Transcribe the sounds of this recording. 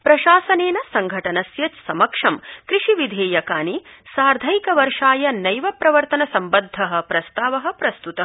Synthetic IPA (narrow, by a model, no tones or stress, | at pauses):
pɾɐʃaːsɐneːnɐsɐŋɡʱɐʈɐnɐsjɐt͡ʃsɐmɐkʂɐmkɾiʂiʋid̪ʱeːjɐkaːnisaːɾd̪ʱɐjkɐʋɐɾʂaːjɐnɐjʋɐpɾɐʋɐɾt̪ɐnɐsɐmbɐd̪ʱːɐɦɐ̆pɾɐst̪aːʋɐɦɐ̆pɾɐst̪ut̪ɐ